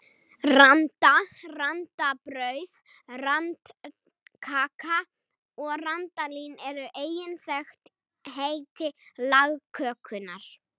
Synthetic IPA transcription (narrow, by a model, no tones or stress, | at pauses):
rant̪arant̪apɾœɥθ | rant̪ | kʰaːkʰa | ɔɣrant̪alinɛɾʏʔeːjɪnθɛxt̪ | ɦeːjt̪ɪlaɣkʰœːkʰʏnaɾ̥